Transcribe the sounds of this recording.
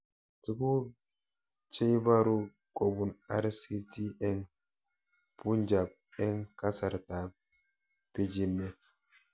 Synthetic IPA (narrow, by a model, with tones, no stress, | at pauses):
ti˦ku˦ | t͡ʃe˦jba˦ɾu˦ | ko˨bu˨na˦ɾsi˦ti˦ɛ˦ŋ | pu˦nd͡ʒa˨b̚ɛ˦ŋka˦sa˨ɾta˨ | pi˦d͡ʒi˦nːɛ˨k